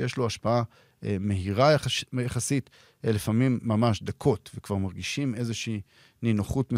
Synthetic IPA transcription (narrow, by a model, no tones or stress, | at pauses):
jeʃloaʃpaa | eme̞ɦiʁajajaχasit | lefamimːamaʃd̪akʰo̞t̪vekvaʁmaʁɡiʃime̞zeʃiː | ninoχutme